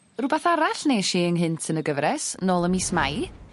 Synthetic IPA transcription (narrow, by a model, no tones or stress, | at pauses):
rʊbɛθaɾaɬneːʃiːənɦɨntʰənəɡəvɾɛsnoːlˠəmismaj